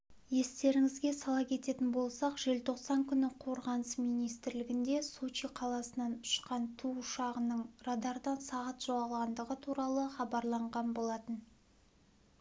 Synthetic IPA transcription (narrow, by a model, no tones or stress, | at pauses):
je̞st̪e̞ɾɪŋɪzɡʲe̞sɑlˠɑkʲʰe̞t̪e̞t̪ɪnbo̞lˠsɑqʒ̥e̞lt̪ʰo̞qsɑŋkʲʰʏnɪqʰo̞ɾʁɑnəsmijnijst̪ɪɾlɪɡʲɪnd̪e̞sot͡ʃiqʰɑlˠɑsənɑnʊ̥ʃqɑnt̪ʰuʊʃɑʁənəɴrad̪ɑɾd̪ɑnsɑʁɑt̪ʒ̥oʁɑlˠʁɑnd̪əʁət̪ʰuɾɑlˠəχɑbɑɾlˠɑɴʁɑnbo̞lˠɑt̪ən